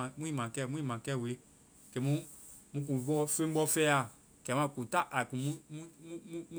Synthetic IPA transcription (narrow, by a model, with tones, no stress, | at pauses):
ã˨mũ˦ĩ˦˨mã˨kɛ˦˨mũ˦ĩ˦mã˨kɛ˦˨we˨˦ | kɛ˨˦mũ˦ | mũ˦k̬ũ˨ɔ˦fẽ˦bɔ˦fɛ˦a˨ | kɛ˨˦mã˦˨kũ˨ta˦ʔa˨kũ˨mũ˦mũ˦ũ˦